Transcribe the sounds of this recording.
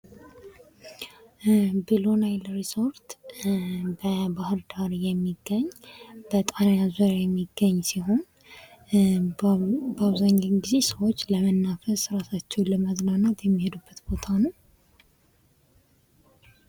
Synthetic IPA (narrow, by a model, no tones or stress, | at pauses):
bilo̞najlɾiso̞ɾt̪ | bəbahɨɾd̪aɾjɛmːiɡːəɲːb̥ət̪ʼanjazuɾjajɛmːiɡːəɲːsiɦo̞n | bəaβzaɲːaŋɡize̞səwot͡ʃːləmənːafəsɾasat͡ʃːɛwləməznanat̪jɛmːihe̞d̪ubːət̪b̥o̞t̪ʰanəw